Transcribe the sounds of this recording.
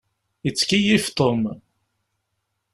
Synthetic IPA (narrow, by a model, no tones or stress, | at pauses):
it͡sːkijift̪ˤom